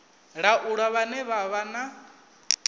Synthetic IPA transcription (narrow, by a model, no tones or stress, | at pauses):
ɺaʔuɺaβanɛβaβana